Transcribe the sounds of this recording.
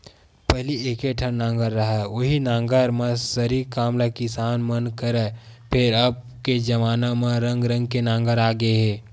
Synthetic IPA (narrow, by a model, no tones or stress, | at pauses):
pɛɦlieːkeʈʰəɾnãːŋɡəɾːɐɦɛoɦinãːŋɡəɾmẽsəɾikaːmlakɪsaːnmənkəɾɛ | pʰɪɾɐb̚ | ked͡ʒɐʋaːnamẽɾə̃ŋɡɾə̃ŋɡ̚kenãːŋɡəɾaːɡəeɦɛ̃ː